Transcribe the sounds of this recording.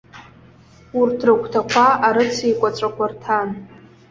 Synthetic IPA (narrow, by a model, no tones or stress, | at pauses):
urtʰrɨkʷʰtʰakʷʰaaɾɨt͡sʰikʷʼat͡ʃʷʼakʷʰartʰan